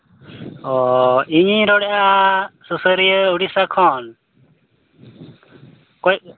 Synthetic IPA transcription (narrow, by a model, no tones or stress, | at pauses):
ɔiɲiɾɔɽɛʔasusəɾijəuɽisakʰɔn | kɔj